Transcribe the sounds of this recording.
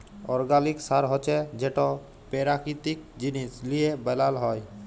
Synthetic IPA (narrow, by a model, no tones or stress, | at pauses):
ɔɾɡaliksaɾɦɔt͡ʃɛd͡ʒeʈɔ | peɾakit̪ik̚d͡ʒinislijebɛlalɦɔj